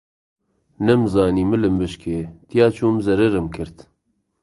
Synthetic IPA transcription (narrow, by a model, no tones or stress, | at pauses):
nɨmzɑːniːmɨlɨmbɨʃkʰeːt̪ijɑːt͡ʃʰuːmzɛɾɨɾɨmkʰɨɾt̪